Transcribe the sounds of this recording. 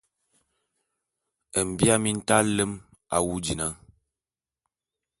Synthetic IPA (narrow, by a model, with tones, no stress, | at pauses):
ə˨m̩˨bja˦mi˦n̩˦ta˦lə˦m | a̰˨wu˦d͡ʒi˨na˦